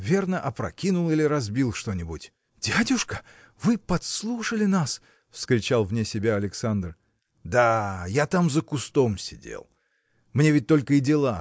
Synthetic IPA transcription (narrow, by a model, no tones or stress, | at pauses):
vʲernəʔɐpɾɐ̰kʲinʊlˠilʲɪɾɐzbʲilˠʂt̪o̞nʲɪbʊtʲ | d̥ʲadʲʊʂkə̥ | vɨpɐt̪slˠuʂəlʲɪnas | fskɾʲɪt͡ɕalˠvnʲesʲɪbʲaɐlʲɪksand̪r | d̪ajat̪amzəkʊst̪o̞msʲɪ̰dʲḛlˠ | mnʲevʲɪt̚ʲt̪o̞lʲkəɪdʲɪlˠa